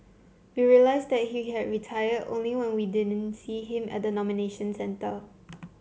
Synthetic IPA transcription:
wiɹiəlaɪsdɛt̚hiɦɛd̚ɹitʰajədõ̰nliwɛ̃nwidɪdə̃nsiɦɪ̃mʔɛ̰t̚dənɔmineʃə̃nsɛ̃ntə

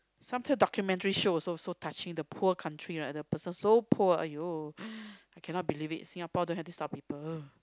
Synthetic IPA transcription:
sãmtʰãdɔkjumɛ̃ntəɹiʃososotʰat͡ʃɪ̃ŋdəpʰuəkʰãntʰɹiɹadəpəsə̃nsopʰuəa̰jo | ajkʰɛ̃nɔt̚bilivḭtsĩŋapadõnhɛftustɔp̚pipələ

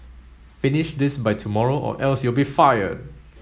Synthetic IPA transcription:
fɪnɪʃd̪ɪsbaɪtʰumɔɹoʔɔ̰ʔɛlsjulbifajə̰d̚

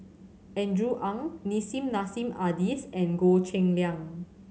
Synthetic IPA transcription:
ɛ̃ndɹuʔãŋnisĩmnasĩmadisɛ̃nɡot͡ʃɛ̃ŋljãŋ

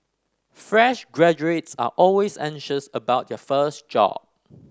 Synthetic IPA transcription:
fɹɛʃɡɹɛd͡ʒuetsa̰ʔɔlwesɛ̰̃ŋʃəsəbaʊt̚jɔfəstd͡ʒɔ̰b̚

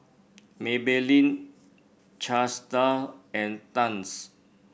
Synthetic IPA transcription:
mebelĩn | t͡ʃastəɛ̃ntãns

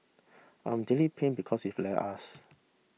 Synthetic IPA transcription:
ʔã̰jmdelipʰẽnbikʰɔsiflɛʔas

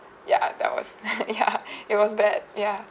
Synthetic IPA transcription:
jæ̰ðæ̰t̚wʌ̰z̥jæɨt̚wʌzbæd̥̚jæ

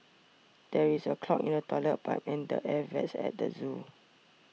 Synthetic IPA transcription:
d̥ɛɹisəkʰlɔkḭ̃nətɔlət̚ba̰tɛ̃ndə̰ʔɛvɛ̰tsɛ̰t̚də̰zu

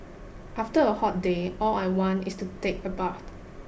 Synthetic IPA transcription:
ʔaftəəhɔt̚deɔlaɪwɔ̃ntistutek̚əbaʊt̚

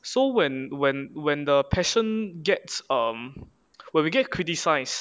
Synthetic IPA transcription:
sowɛ̃nwɛ̃nwɛ̃ndəpʰɛʃə̃nɡɛtsʌm | wɛ̃nwiɡɛt̚kʰɹitisaɪs

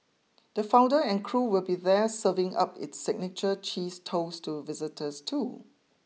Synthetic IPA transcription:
d̥əfãʊw̃ndəɛ̃nkʰɹuːwɪlbiðɛsəvɪ̃ŋa̰pɪ̰tsɪɡ̚nɪt͡ʃət͡ʃiːstʰoʊstʰuvɪzɪtʰəstʰu

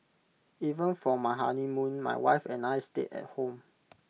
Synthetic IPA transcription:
ivə̃nfɔmaɪɦa̰nimũnma̰jwa̰jfɛ̃najstetɛ̰t̚hõm

